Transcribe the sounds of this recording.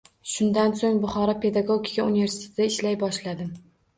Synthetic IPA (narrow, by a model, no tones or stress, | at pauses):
ʃʊnd̪ansoŋbʊχɒɾɒpʰe̞d̪aɡoɡʲikʲauniveɾsi̥t̪ʰe̥t̪ɪd̪aɪʃlajbɒʃlad̪ɪm